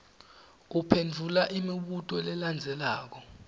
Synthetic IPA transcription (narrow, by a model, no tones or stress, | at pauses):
upʰend͡vʱulaʔimiɓutʼɔlɛland͡zʱɛlaːk̬ɔ